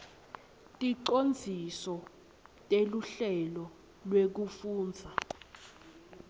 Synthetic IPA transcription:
tʼiǃond͡zʱisɔ | tʼeluɬɛlɔ | lwek̬ufuːnd͡zʱa

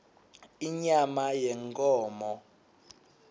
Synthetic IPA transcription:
iɲamajɛŋkʼɔːmɔ

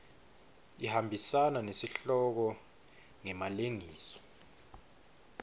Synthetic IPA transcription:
ihambʱisananesiɬɔk̬ɔ | ŋɛmaleŋiːsɔ̥

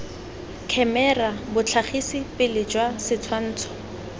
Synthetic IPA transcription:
kʰɛmɛrabʊt͡ɬʰaχisipɪlɪd͡ʒwasɪt͡sʰwan̩ːt͡sʰɔ̥

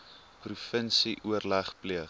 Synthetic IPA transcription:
prufənsiʔuərlæχpliə

